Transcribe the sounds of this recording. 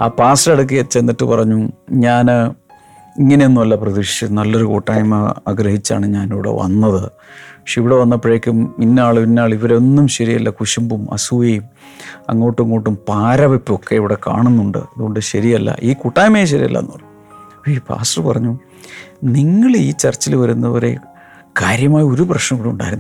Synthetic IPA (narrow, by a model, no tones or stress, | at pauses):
a̰ːpaːsrɐɽuk̬ːijɐt͡ɕːe̞nːiʈːɨpɐrɐɲːuɲaːn | iŋːɐne̞onːumɐlːɐprɐðiʋʂɐnɐlːoɾukuʈːaːjɐmɐaɡɾɐɦhit͡ɕːa̰ːɳɨɲaːniʋiɽḛʋɐ̰nːɐðɨ | ikʂiʋiɽeʋɐnːɐpːreːkʲːuminːaːɭpinːaːɭiʋɐɾeo̞nːumɕɐɾijɐlːɐkuʂɐmbumɐ̰suʋejum | ɐ̰ŋːo̞ːʈːuŋːo̞ːʈːumpaːɾɐʋepːo̞kːe̞iʋiɽeka̰ːɳunːuɳɖɨ̰ɐðuɣo̞ɳɖɨɕɐɾijɐlːɐ̰ʔiːkuʈːaːjmejɕ̬ɐɾḭjɐ̰lːɐ̰nːu | ipʰa̰ːsʈɐrpɐrɐɲːu | niŋːɐɭiːt͡ɕɐrt͡ɕːilʋɐɾunːɐɐɾe̞̰ | kaːɾjɐmaːjo̞ɾuprɐʂnɐmɽiuɳɖa̰ːjɾunː